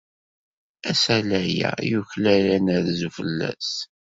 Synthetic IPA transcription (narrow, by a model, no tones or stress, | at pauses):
æsælæjæ̰juçlælænəɾzufəlːæ̰s